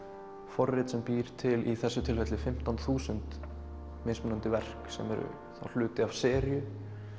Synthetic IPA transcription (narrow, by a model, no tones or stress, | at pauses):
fɔrːɪt̪sɛmpiːɾ̥t̪ʰɪliθɛsːʏt̪ʰɪlfɛt̪lɪfɪm̥t̪anθuːsʏnt̪ | mesmʏnant̪ɪvɛr̥ksɛ̰mɛɾʏ̰ | θa̰wl̥ʏːt̪ɪav̥sɛːɾjʏ